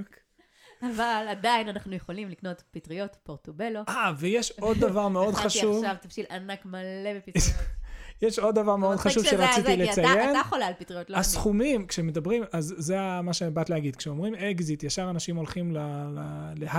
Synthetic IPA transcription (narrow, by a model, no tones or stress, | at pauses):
avalad̪ainanaχnujeχolimlikno̞tpitʁijo̞tpoʁtobeloavejeʃo̞d̪ːavaʁmeo̞d̪χaʃuvavt̪afʃilanakmalebepi | jeʃo̞d̪ːavaʁmeo̞d̪χaʃuvʃeʁat͡siilet͡sajjenχolaːlpit̪ʁijot̪lasχumimkʃemed̪abʁimazːeamaʃebat̪leaɡid̪kʃeomʁimeɡzit̪jaʃaʁanaʃimo̞lχimlalale